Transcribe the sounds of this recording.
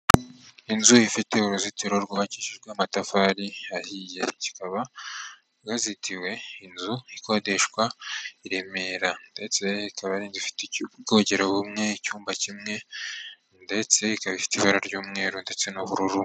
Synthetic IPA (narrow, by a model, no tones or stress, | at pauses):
inzuifite̞uɾuzitʰeɾo̞ɾɡoβaciːʃeʒɡweamatafaːɾiahijḛci̥kaβa | ɡazitʰiwe̞inzuiko̞de̞ʃkwaiɾe̞me̞ːɾande̞t͡se̞ikaβaɾiːnzifi̥teɡoːɟeɾoβumŋe̞icuːmbacimŋe̞ | nde̞t͡se̞ikaβifi̥tiβaɾaɾɟuːmŋe̞ːɾonde̞t͡se̞noβuɾuɾu